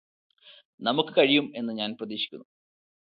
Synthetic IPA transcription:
nɐmukːɨkɐɻijume̞nːɨɲaːnprɐðiːɕi̥kʲːunːu

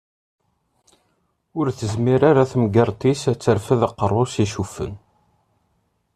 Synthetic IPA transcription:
ʊɾθəzmiɾaɾaθmɡɑɾˤt̪ˤisæt͡sːəɾfəðəqːərˤosiʃufə̰n

